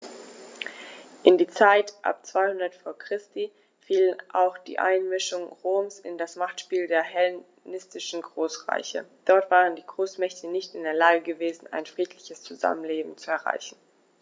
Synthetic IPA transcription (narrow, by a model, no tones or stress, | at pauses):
ʔɪndiːt͡saɪtʔa̰p̚t͡sv̥aɪhʊndɐtfoːɐkʁ̥ɪsti | fiːlənʔa̰ʊxd̥ḭːʔa̰ɪnmɪʃʊŋʁoːmsɪ̰ndasmaχtʃpiːldeːɐhɛl | nɪstɪʃn̩ɡʁoːsʁa̰ɪçə̰d̥ɔɐtv̥aːʁəndiːɡʁoːsmɛçtʰənɪçtɪndeːɐlaːɡəɡəveːzn̩aɪnfʁ̥iːtʰlɪçəst͡suza̰mənleːbm̩t͡suɛɐʁa̰ɪçn̩